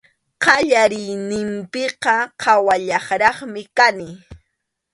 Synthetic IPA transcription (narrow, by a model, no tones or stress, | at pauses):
qɑʎaɾɪjnɪmpɪqɑqʰɑwaʎɑχɾɑχmɪkanɪ